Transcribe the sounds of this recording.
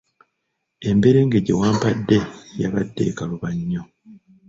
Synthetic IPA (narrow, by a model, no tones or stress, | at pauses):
e̞mbe̞ɾe̞ːŋɡeɟewaːmpadːe̞ja̰βadːe̞̰kaluβaɲːo